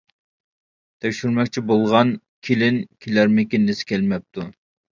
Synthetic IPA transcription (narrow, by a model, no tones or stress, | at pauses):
t̪ʰɛkʲʃyɾmɛkʲt͡ʃʰibolˠʁɑn | kʲʰelɪnkʲʰelæɾmɪkʲind̪ɪsɪ̥kʲʰɛlmɛp̚t̪ʰu